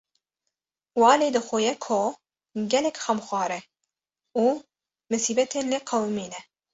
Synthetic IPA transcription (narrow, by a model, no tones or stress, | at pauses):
wɑːleːd̪ɨxʷojɛkʰo | ɡʲɛlɛkʲxɐmxʷɑːɾɛ | uː | mɨsiːbɛt̪ʰeːnleqʰɐwmiːnɛ